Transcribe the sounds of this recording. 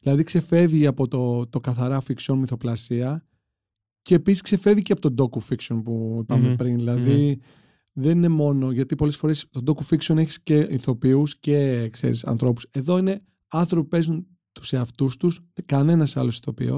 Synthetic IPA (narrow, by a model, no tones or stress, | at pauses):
ðilɐðikse̞fe̞vʝiɐpo̞t̪ot̪okɐθɐɾɐfiksonmiθo̞plɐsiɐ | ceːpisi̥skse̞fe̞viceɐpo̞t̪od̪o̞kufikso̞npupɐmepɾinðilɐði | ðe̞nine̞mo̞no̞ʝɐt̪ipo̞le̞sfo̞ɾe̞st̪od̪o̞kufiksio̞neçi̥sceiθo̞piuscekse̞̰ɾisɐ̰nθɾo̞pu̥se̞ðo̞ine̞ | ɐnθɾopipe̞zun | t̪u̥seɐft̪ust̪uskɐne̞nɐsɐ̰lo̞si̥θo̞pḭo̰